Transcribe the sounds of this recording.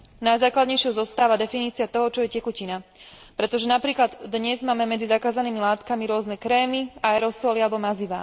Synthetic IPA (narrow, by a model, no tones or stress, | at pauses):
najzaːklad̪ɲɛjʃɪɛɔzɔst̪aːʋad̪ɛfiniːt͡siat̪ɔɦɔt͡ʃɔjɛcɛkucina | pɾɛt̪ɔʒɛnapɾiːklad̪ːɲɛzmaːmɛmɛd͡zizakaːzaniːmilaːt̪kamiɾʊɔznɛkɾɛːmiaɛɾɔsɔlialɛbɔmaziʋa̰ː